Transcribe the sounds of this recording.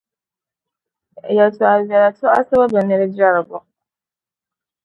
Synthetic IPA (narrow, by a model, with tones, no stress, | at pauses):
ja˨tʰʊ˨a˨va˨ɾa˨tʰʊ˦a̰˦sa˦ba˦ba˨nɪ̃˦ɾɪ˦d͡ʒa˦ɾa˨ɡɔ˨